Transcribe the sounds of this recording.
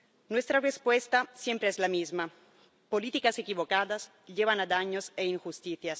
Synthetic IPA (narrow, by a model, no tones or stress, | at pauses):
nwest̪ɾarespwest̪asjempɾeezlamizma | polit̪ikasekiβokaðas | ʎeβanad̪aɲoseiŋxust̪iθjas